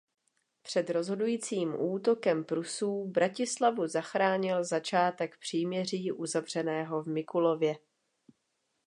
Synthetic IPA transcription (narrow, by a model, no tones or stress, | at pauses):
pr̝̥ɛd̪ɾo̞zɦo̞dujiːt͡siːmʔuːt̪o̞kɛmpɾusuːbɾacɪslavuzaxɾaːɲɪlzat͡ʃaːt̪ɛkpr̝̥iːmɲɛr̝iːʔuzavr̝ɛnɛːɦo̞vmɪkulo̞vjɛ